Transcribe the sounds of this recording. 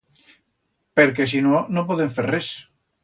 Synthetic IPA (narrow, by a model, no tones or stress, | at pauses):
peɾk̬esinonop̬oðeɱferres